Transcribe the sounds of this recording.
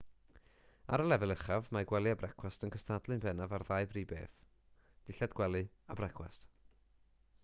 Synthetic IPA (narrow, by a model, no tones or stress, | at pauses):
a̰ɾəlˠɛvɛlˠəχavmaɡwɛlˠɨabrɛkʰwastənkʰəstadlˠɨnbɛnavarðajbriːbeːθ | d̥ɪɬɛdɡwɛlˠɨabrɛkʰwɛ̰st